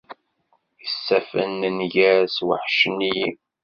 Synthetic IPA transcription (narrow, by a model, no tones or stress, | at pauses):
jəsːæfə̰nːənjæswəħʃəniji